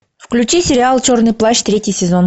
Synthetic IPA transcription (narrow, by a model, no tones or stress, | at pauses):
fklʲʉt͡ɕisʲɪɾʲɪalˠt͡ɕornɨjplˠaɕt̪ɾʲetʲɪjsʲɪzon